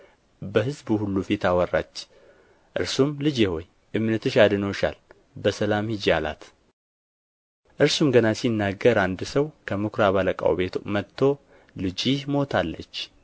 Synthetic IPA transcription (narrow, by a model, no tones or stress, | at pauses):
bəɦɨzbuhulːufit̪ʰawərːa̰t͡ʃː | ʔɨ̰ɾsumlɨd͡ʒeho̞j | ʔɨmnət̪ɨʃad̪ɨnoʃa̰l | bəsəlamhɨd͡ʒjala̰t̪ | ʔɨɾsumɡənasinːaɡːəɾand̪səwkʰəmɨkʰɾaβaləkʼa̰wbe̞t̪ʰmət̪ʰːo̞ | lɨd͡ʒimo̞t̪ʰalːə̰t͡ʃː